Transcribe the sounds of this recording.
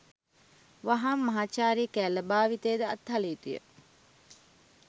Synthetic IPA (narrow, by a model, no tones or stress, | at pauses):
ʋaɦamːaɦaːt͡ʃaːɾiəkæːləbaːʋit̪eːd̪əɐt̪ɦɐliːt̪ujə̰